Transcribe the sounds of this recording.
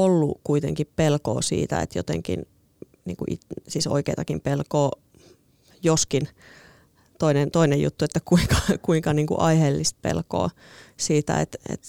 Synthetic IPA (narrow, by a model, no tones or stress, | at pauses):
olːukuit̪eŋkippelko̰ːsḭːt̪æ̰ḛt̪jo̰t̪ḛŋkḭn | nḭːŋkuʔḭt̪siːso̰ikeit̪ɑkimpelkoː | joskin | t̪oinent̪oinejjṵt̪ːuet̪ːækuiŋkɑ̥kuiŋkɑniːŋkṵʔɑihelːist̪̚pḛlko̰ː | siːt̪æ̰ḛt̪ḛt̪